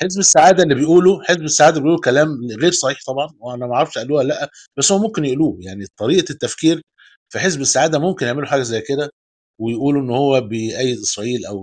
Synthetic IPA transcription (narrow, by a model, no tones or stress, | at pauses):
ħezbesːaʕaːd̪ælːibejʔuːloħesbesːaʕaːd̪æbejʔuːlokælæːmɣeːɾsˤɑħiːħt̪ˤɑbʕɑnweʔænæmæʔʕɾˤɑfʃʔæʔælːuːhælːæʔːæ | b̥æsːhowːæmomkenjeʔluːjaʕnit̪ˤɑɾiːʔɑt̪ːæfkiːɾ | fæħezbesːaʕaːd̪æmomkenjeʕmeloħaːɡæzæjːked̪æ | wejʔuːluʔenːhowːæbejʔæjːed̪ʔesɾˤɑʔiːlʔæw